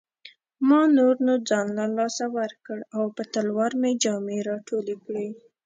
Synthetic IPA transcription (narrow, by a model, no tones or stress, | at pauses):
mɑnoɾnod͡zɑnlalɑsawəɾkəɽawpət̪əlwɑɾmed͡ʒɑmeɾɑʈʰolekɽi